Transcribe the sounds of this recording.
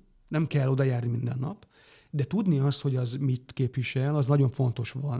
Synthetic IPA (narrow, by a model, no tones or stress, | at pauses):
nɛmkɛlːo̞d̪ɒjaːrnimind̪ɛnːɒ̰p | d̪ɛt̪ud̪niɒst̪ho̞ɟɒzmit̪keːpʋiʃɛlɒznɒɟo̞ɱfo̞n̪t̪o̞ʃʋɒn